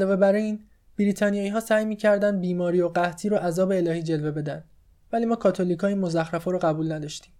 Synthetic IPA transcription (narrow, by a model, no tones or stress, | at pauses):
lɒːve̞bæɾiiːn | b̥iɾit̪ʰɒːnijɒːiːɦɒːsæːjmiːcʰæɾd̪ænd̪̚biːmɒːɾiːoɢæht̪ʰiːɾoʔæzɒːbe̞ːlɒːhiːd͡ʒe̞lve̞be̞d̪ænd̪ | væliːmɒːkʰɒːt̪ʰoliːkʰɒːinmozæxɾæfɒːɾoɣæbuːlnæd̪ɒːʃt̪iːm